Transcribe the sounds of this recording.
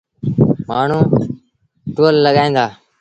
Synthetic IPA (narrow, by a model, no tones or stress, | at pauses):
maːɳ̤ũː | ʈoːlːəɠaːĩːnd̪aː